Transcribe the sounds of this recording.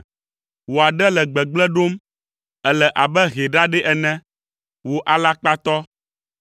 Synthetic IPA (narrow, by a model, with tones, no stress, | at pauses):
wo˨a˨ɖɛ˦lɛ˨ɡ͡bɛ˨ɡ͡blɛ˦ɖo˦m | ɛ˦lɛ˨ʔa˨bɛ˦ɣe˨ɖa˦ɖɛ˦ʔɛ˨nɛ̃˦ | wo˨ʔa˨la˦k͡pa˦t̪ɔ˦